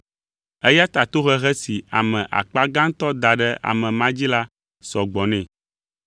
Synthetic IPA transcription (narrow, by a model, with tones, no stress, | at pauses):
ɛ˦ja˦t̪a˨t̪o˦ɣɛ˦ɣɛ˦si˨a˨mɛ̃˨ʔa̰˨k͡pa˦ɡã˦ŋ˦t̪ɔ˦d̪a˨ɖɛ˦ʔa̰˨mɛ̃˨mã˦d͡ʑi˦la˦ | sɔ˨ɡ͡bɔ˨nɛ̃˨